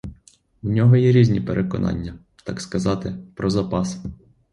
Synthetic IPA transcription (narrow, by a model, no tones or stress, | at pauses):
wnʲɔɦɔjɛɾʲizʲnʲipeɾʔekɔ̰nɑ̰nʲːɐ | t̪ɑkskɐzɑt̪ɪpɾɔzɐpɑs